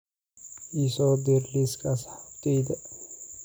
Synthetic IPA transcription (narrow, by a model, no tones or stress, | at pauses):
isod̪iɾliskashaft̪id̪